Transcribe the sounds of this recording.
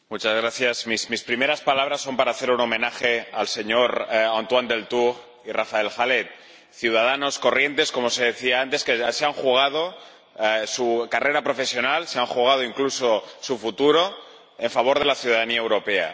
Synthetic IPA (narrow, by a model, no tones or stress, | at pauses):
mut͡ʃazɣ̞ɾaθjazmismispɾimeɾaspalaβ̞ɾasːo̞mpaɾaːθe̞ɾuno̞mẽ̞naxe̞alse̞ɲo̞ɾant̪wand̪e̞lt̪uɣ | irafae̞lxale̞t̪̚ | θjuð̞að̞ano̞sko̞rje̞nt̪e̞sko̞mo̞se̞ðeθiaant̪e̞skeaseaŋxuɣ̞að̞o̞ | sukare̞ɾapɾo̞fe̞sjo̞nalseaŋxuɣ̞að̞o̞iŋkluso̞sufut̪uɾo̞ | e̞ɱfaβ̞o̞ɾð̞e̞laθjuðaðaniaewɾo̞pe̞a̰